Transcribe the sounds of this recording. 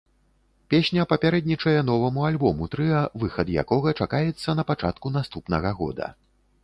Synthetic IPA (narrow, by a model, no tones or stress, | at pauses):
pʲesʲnʲɐpɐpʲaɾɛd̪̚nʲit͡ʂɐjɛn̪ɔvɐmualʲbɔmut̪ɾɨɐvɨxɐd̪ja̰kɔɣɐt͡ʂakajɛt̪sːɐn̪ɐpat͡ʂa̰t̪kunast̪upnɐɣɐɣɔ̰d̪ɐ̰